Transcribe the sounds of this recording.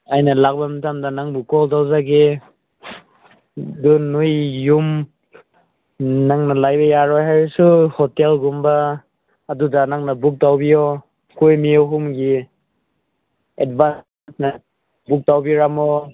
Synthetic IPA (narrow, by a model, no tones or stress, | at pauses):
ajnalak̚bamatamdanaŋbukɔltawzaɡe | dunujːum | naŋnalajbajaɾɔjɦajɾsuhɔtelɡumbaː | dudanaŋnabuk̚tawbijɔ | kujmiɔɦumɡi | edban | sna | buk̚tawbiɾamɔ